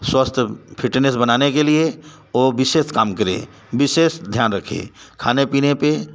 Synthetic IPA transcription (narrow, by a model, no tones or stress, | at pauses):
swɐst̪ʰpʰɪʈnes̬bɐnaːnekelie | oːʋɪʃeːʃkaːmkɐɾḛ̃ː | ʋɪʃeːʃd̪ʱjaːnɾɐkʰḛ̃ːkʰaːnepiːnepe